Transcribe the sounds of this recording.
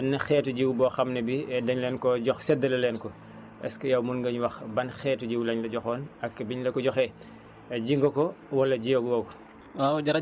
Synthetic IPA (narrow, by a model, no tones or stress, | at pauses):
ɐnːɐxɛːtuɟiwbɔːxɐmnɐbiɛdɐɲlɛːnkɔɟɔxsɛdɐlɐlɛːnkɔ | ɛ̰skɐjɐwmunɡɐɲwɐxbɐnxɛːtuɟiwlɐɲlɐɟɔxɔːnɐkːbiɲlɐkɔɟɔxɛ | ɟiŋɡɔkɔwɐlːɐɟijoɡwɐk | aɟɐɾɐ